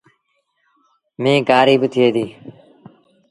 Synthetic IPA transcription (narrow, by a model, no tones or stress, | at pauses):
mẽːɡaːɾiːbɪt̪ʰɪeːd̪iː